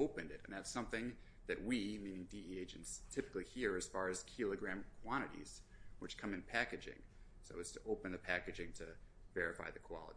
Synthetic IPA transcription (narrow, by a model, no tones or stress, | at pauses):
oʊpɨ̃ndɨɾɨ̰̃nðætsʌ̃mθɪ̃ŋ | ðɨt̚wimĩnɪ̃ŋdiieɪd͡ʒɨ̃ntstʰɪpɨ̥klihiɹɨz̥fɑɹɨz̥kʰɪlˠəɡɹæ̃mkʰw̥ɑ̃ɾ̃ɨɾḭz̥wɨt͡ʃkʰʌ̃mɨ̃npʰækɨd͡ʒɪ̰̃ŋ | soʊɨz̥tʰɨʔoʊpɨ̃nðɨpʰækɨd͡ʒɪ̃ŋtʰɨ | vɛɹɨfa̰ɪðɨkʰw̥ɑ̰lˠə̰ɾ